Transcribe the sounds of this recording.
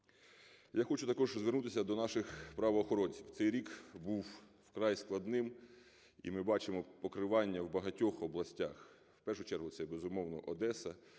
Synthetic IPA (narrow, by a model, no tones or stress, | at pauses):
jaxɔt͡ʃʊt̪ɐkɔʒzʋernut̪ɪsʲɐd̪ɔnɑʃɪxpɾɐʋɔːxɔɾɔnʲsʲiwt̪sɛjɾʲikbuwwkɾɑjsklˠɐd̪nɪm | ḭmɪbɑt͡ʃɪmɔpɔkɾɪʋɑnʲːɐwbɐɦɐtʲɔxɔblˠɐsʲtʲax | wpɛrʃʊt͡ʃɛrɦʊt̪sɛbezʊmɔwnɔʔɔd̪ɛsɐ